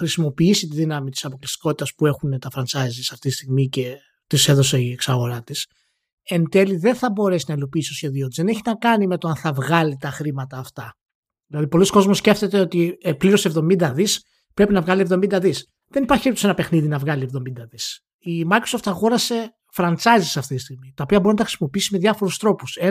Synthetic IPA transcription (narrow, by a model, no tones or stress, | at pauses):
xɾisimo̞piisit̪iðinɐmit̪i̥sɐpo̞klist̪i̥ko̞t̪i̥t̪ɐspue̞xunet̪ɐfɾɐnt͡sɐzisɐft̪it̪i̥st̪iɣmice̞ | t̪ise̞ðo̞se̞ieksɐɣo̞ɾɐt̪is | ent̪e̞liðe̞nθɐbo̞ɾe̞sinɐilo̞piiːsi̥t̪oçe̞ðiot̪izðeneçinɐkɐnime̞t̪oɐnθɐvɣɐlit̪ɐxɾimɐt̪ɐːft̪ɐ | ðilɐðipo̞lisko̞zmosce̞ft̪e̞t̪eo̞t̪ipliɾose̞vðo̞mind̪ɐðis | pɾe̞pinɐvɣɐlie̞vðo̞mind̪ɐðis | ðe̞nipɐɾçiipt̪o̥se̞nɐpe̞xniðinɐvɣɐlie̞vðomind̪ɐðis | imɐjkɾosoft̪ɐxoɾɐse̞ | fɾɐnt͡sɐjzisɐft̪it̪i̥st̪iɣmit̪ɐopiɐboɾinɐt̪ɐxɾisimo̞piisimeðʝɐfo̞ɾust̪ɾo̞puse